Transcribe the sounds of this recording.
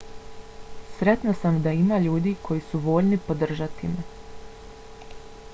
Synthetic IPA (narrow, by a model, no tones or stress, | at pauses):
sɾe̞t̪nasamd̪aimaʎuːd̪iːkʰo̞jisuʋo̞ːʎnipo̞d̪r̩ʒat̪ime